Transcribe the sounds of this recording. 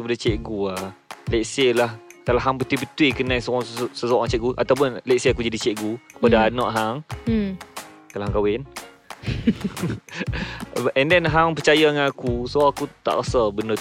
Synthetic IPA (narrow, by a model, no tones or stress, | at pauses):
kəpadat͡ʃɛʔɡualɛʔselahkalaɦaŋpət̪wipət̪wɪkənãjsɔɔssəsɔʔãŋt͡ʃɛʔɡuʔa̰t̪awp̬ʊnlɛʔseakud͡ʒadit͡ʃɛʔɡukə̥padaːnɔʔɦaŋ | kalaɦaŋkawɪn | ɛndɛnɦaŋpət͡ʃajaŋanakusoakut̪a̰ʔkasabənə